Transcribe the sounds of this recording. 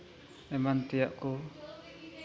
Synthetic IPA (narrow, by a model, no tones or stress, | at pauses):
ɛmant̪ijaʔku